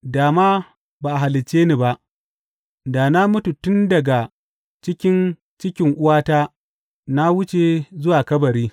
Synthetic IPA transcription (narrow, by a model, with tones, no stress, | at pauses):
daː˨maː˦ | baː˨ʔa˨ɦa˨lɪ˨t͡ʃːeː˦ni˦˨ba˦ʔ | daː˨na˦mʊ˦tu˨tʊ˦ndɐ˨ɡa˨ | t͡ʃɪ˦kʲɪ˦n | t͡ʃɪ˦kʲɪ˦ŋʔʊ˦waː˦taː˦ | na˦wʊ˦t͡ʃe˨zʊ˦waː˨kɐ˦bɐ˨ɾiː˦